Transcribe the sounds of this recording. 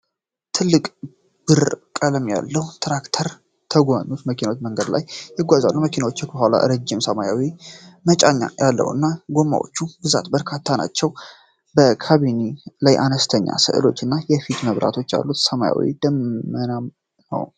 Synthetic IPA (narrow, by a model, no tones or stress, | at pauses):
t̪ʰɨlːɨkʼ | b̥ɨɾkʼələmja̰lːəhut̪ʰɾakt̪ʰəɾ | t̪ʰəɡʷaɲːut̪məkʰinawot͡ʃːməŋɡəd̪la̰jːɪɡʷazalːuməkʰinawo̞t͡ʃːəkbəhʷala̰ɾəd͡ʒːɪmsəmajawimət͡ʃʼaɲːa̰jalːə̰wɨ̰nːaɡo̞mːa̰wo̰t͡ʃːubɨza̰t̪bəɾkʰat̪ʰːana̰t͡ʃːɛw | bəkʰaβinilajʔanəst̪ʰəɲːa̰sɨ̰ʔɨ̰lo̞̰t͡ʃːɨnːajɛfit̪məβɾa̰t̪ʰo̞t͡ʃːja̰lːut̪səmaja̰wḭd̪̥əmːənam | nə̰w